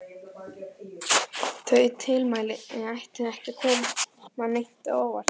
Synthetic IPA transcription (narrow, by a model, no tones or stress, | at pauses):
θœɥɪt̪ʰɪlmaːjlɪɛajht̪ɪɛhcɪkʰɔːmmamejn̥t̪ɪoːwva̰ɾ̥